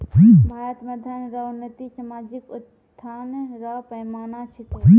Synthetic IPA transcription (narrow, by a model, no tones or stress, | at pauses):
ibʱaːət̪mɐd̪ʱanɾanət̪isɐmaːd͡ʒɪkʊt̪ʰːaːnɾaːpɐjmaːnat͡ʃʰɪk̪i